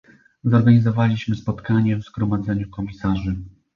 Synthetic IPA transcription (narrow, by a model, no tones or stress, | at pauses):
zɔɾɡaɲizɔvalʲiɕmɘspɔt̪kaɲɛvzɡɾɔmad̪zɛɲukɔmʲisaʐɘ